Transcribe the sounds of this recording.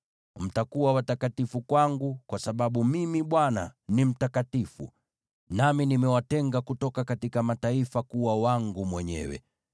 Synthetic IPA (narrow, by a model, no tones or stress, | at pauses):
m̩takuwawatakatifukwaŋɡukwasaɓaɓumimiɓwana̰nim̩takatifṵ | naminimɛwatɛŋɡakutɔkakatikamataifakuwawaŋɡumwɛɲɛ̰wɛ̰